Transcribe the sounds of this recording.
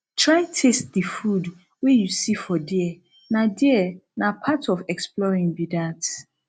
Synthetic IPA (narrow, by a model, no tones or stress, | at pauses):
tʰɹajtʰest̚difud | wejusifɔdiɛ | nãdiɛnãpʰatʰɔfɛksplɔɹĩŋbidat